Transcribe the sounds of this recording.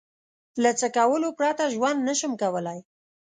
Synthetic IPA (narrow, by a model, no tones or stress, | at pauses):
lat͡səkawəlopɾɑt̪aʒwand̪nəʃəmkawəlaj